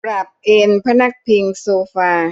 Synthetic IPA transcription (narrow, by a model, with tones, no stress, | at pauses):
pɾa˨˩p̚ʔeː˧npʰa˦˥na˦˥˩k̚pʰi˧ŋsoː˧faː˧